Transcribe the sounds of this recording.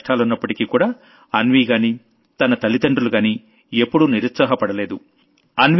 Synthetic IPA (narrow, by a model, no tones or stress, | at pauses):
ʈʰaːlunːɐpːɐʈikiːkuːɽaː | ɐnʋiːɡaːniː | t̪ɐnɐt̪ɐlid̪ɐɳɖuluɡaːniː | epːuɽuniɾut̪sɐɦɐpɐɽɐle̞ːd̪u | ɐnʋ